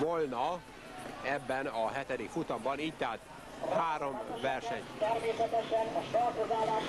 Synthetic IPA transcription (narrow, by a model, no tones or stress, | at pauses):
volnɒ | ɛbːɛnɒɦɛt̪ɛd̪ikfut̪ɒmbɒniːc̚t̪aːt̪ | haːɾo̞mvɛrʃɛ̰ɲt̪ɛrmeːsɛt̪ɛʃɛnɒʃɒrkozaːlaːʃ